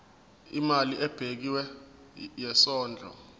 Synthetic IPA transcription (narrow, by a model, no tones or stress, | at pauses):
imaliʔɛb̥ʱek̬iwɛ | jɛsɔːnd͡ɮʱɔ̰